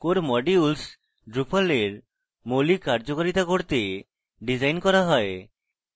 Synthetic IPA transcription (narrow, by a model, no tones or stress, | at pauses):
koɾmɔɖiuls | ɖɾupʰaleɾ | molikaɾd͡ʑokaɾit̪akoɾt̪e | ɖid͡ʑajnkɔɾaɦɔe